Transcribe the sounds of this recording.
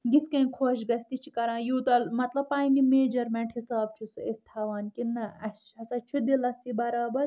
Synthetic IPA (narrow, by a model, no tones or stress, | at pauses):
ɡit̪ʰkɐ̃ĩkʰoːʃɡɐst̪it͡ʃʰi̥kɐɾãːjuːt̪ɐlmɐt̪lɐb̚paːinimeːd͡ʒɐɾmẽɳʈhisaːb̚t͡ʃʰusɨest̪ʰaːʋaːnkinːɐɐt͡ʃʰːɐsɐt͡ʃʰud̪ilɐsibɐɾaːbɐɾ